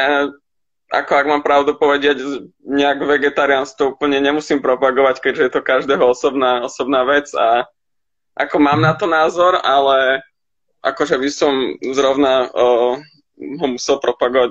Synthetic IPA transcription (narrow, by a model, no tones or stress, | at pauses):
a | a̰kɔaɡmaːmpɾaʊd̪upɔʋɛɟɪɛɟɲɛaɡʋɛɡɛt̪aɾianskt̪ɔuːpl̩ɲɛɲɛmusiːmpɾɔpaɡɔʋackɛʒɛjɛt̪ɔkaʒd̪ɛːɦɔɔsɔbnaːɔsɔbnaːʋɛt͡sa | ʔakɔmaːmnat̪ɔnaːzɔɾalɛ | ʔa̰kɔʒɛʋisɔmzɾɔʊna | ɦɔmusɛlˠpɾɔpaɡɔʋa